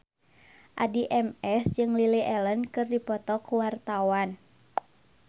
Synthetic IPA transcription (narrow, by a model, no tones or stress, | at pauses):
ʔadiʔɛmɛsd͡ʒɨŋliliʔɛlənkɨrdipɔt̪ɔkuwart̪awan